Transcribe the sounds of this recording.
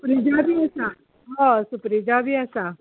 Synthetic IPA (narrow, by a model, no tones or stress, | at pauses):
pɾid͡ʒaːbiːɛːsãː | ɦãsʊpɾid͡ʒaːbiːɛːsãː